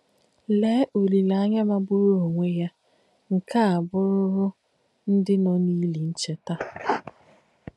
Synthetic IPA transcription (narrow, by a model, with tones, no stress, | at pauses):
le˨˦ʔo˨li˨la˨a˦ɲa˦ma˦bu˦ɾu˦o˨ŋʷe˦ja˦ | ŋ̩˨ka˦a˨bʊ˦ɾʊ˦ɦʊ˦ | n̩˦dɪ˦nɔ˦ni˦li˨n̩˦t͡ʃe˦ta˦